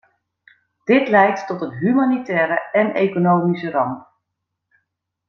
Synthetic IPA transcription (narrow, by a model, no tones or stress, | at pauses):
d̥ɪtlɛjtːɔtənɦymanitɛːɾəɛnḛkonowmisərɑm